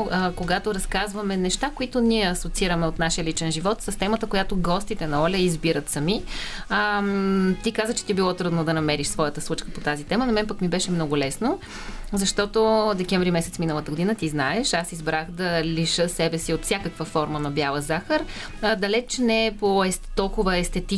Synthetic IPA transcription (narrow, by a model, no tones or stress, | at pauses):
koɡat̪oɾɐskazvɐmɛnɛʃt̪akoit̪ʊniɛɐsot̪siɾəmɛot̪naʃijəlit͡ʃɛnʒivɔt̪səst̪ɛmət̪əkojat̪oɡɔst̪it̪ɛnɐɔlʲɛizbiɾət̪sɐmi | t̪ikazət͡ʃɛ̥t̪ibilˠɔt̪ɾud̪nod̪ɐnɐmɛɾiʃsvɔjət̪əslˠut͡ʃkəpot̪azit̪ɛmənɐmɛnpɐkmibɛʃɛmnɔɡʊlɛsno | zɐʃt̪ɔt̪od̪ɛk̟ɛɱvɾimɛsɛt̪sminəlˠət̪əɡod̪inət̪iznaɛʃasizbɾaxd̪ɐliʃɤsɛbɛsiot̪fsʲjakəkvəfɔɾmənɐbjavəzaxəɾd̪ɐlɛt͡ʃɛnɛpoɛst̪ːɔlˠkʊvəɛst̪ɛt̪i